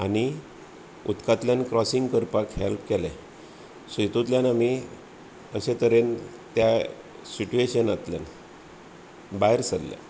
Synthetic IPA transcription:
a̰ñi | ut̪kat̪ljankɾɔsiŋɡkəɾpakɦelpkɛlɛ | sit̪ut̪ljanami | əɕẽt̪əɾen | t̪ja | siʈueɕənat̪lja̰n | baeɾsəd̪lɛ̰̃

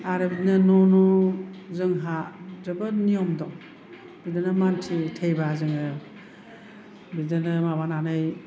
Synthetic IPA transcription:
aɾɯbidnɯnɔnuzɯŋɦadɯbɯnijɔmdɔŋ | bidɯnɯmantʰitʰejbazɯŋɯ | bidɯnɯmabananɯj

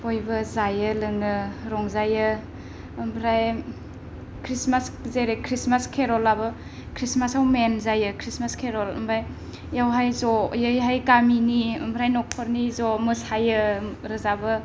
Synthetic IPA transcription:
ojbɐzajɯlɯŋɯɾɔŋzajɯ | ɯmbʰɾaj | kʰɾismaszeɾekʰɾismaskʰeɾɔlabɯ | kʰɾismasawmenzajɯkʰɾismaskʰeɾɔlɯ̰mbɾaj | jawɦajzɔjɯjɦajkaminiɯ̰mbʰɾajnɔkʰɔɾnizɔmɯsajɯɾɯzabɯ

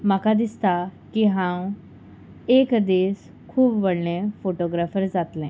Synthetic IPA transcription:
makad̪ist̪akiɦãw | ekd̪es | kʰuːbʋəɽɳẽfoʈoɡɾafəɾd͡zat̪lɛ̃

